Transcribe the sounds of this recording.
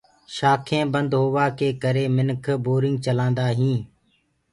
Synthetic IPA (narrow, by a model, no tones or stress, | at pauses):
ʃaːkʰẽːbənd̪ɦoːʋaːkʰeːkəɾeːmɪnkʰboːɾɪ̃ŋɡ̚t͡ʃəlãːnd̪aːɦĩː